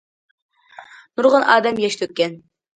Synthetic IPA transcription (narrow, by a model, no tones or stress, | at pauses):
nuɾʁənɑːd̪ɛmjɛʃt̪ʰøk̚ʲkʲːɛn